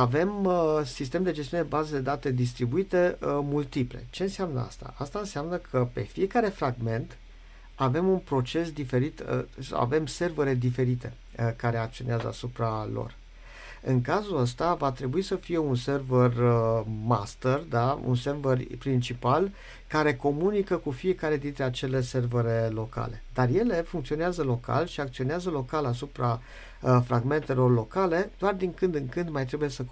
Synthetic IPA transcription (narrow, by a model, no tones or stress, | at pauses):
ave̞msist̪e̞md̪e̞d͡ʒest̪iunebazed̪e̞d̪at̪e̞d̪is̬t̪ɾibuit̪e̞mult̪iple̞̰t͡ʃe̞ɨnseamnə̰a̰st̪a̰ast̪aɨnseamnəkʰəpe̞fie̞kaɾe̞fɾaɡme̞nt̪ | ave̞munpɾo̞t͡ʃe̞sd̪ife̞ɾit̪sa̰wʔa̰ve̞mse̞rveɾed̪ife̞ɾit̪e̞ | əkaɾe̞ak̚t̪sio̞neazə̰a̰supɾalo̞̰r | ɨŋkazuəst̪avat̪ɾe̞buisəfije̞unse̞rvərəma̰st̪erd̪aṵnse̞rverpɾint͡ʃipal | kaɾe̞ko̞munikəkufiekaɾe̞d̪int̪ɾe̞at͡ʃe̞le̞se̞rvəɾelo̞ka̰le̞d̪arje̞le̞fuŋkt̪sio̞neazəlo̞kʰa̰lʃiakt̪sio̞neazəlo̞kalas̬upɾa | fɾaɡme̞nt̪e̞lo̞rlo̞kale̞d̪̥oard̪iŋkɨnd̪ɨŋkɨnd̪majt̪ɾebuje̞sə